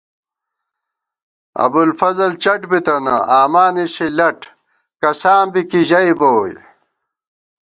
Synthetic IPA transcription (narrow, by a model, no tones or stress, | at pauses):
ɐ̰bulfɐzɐlt͡ɕɐʈbit̪ɐnɐ̰aːmaːniɕilɐʈ | kɐsaːmbikiʑɐiboːj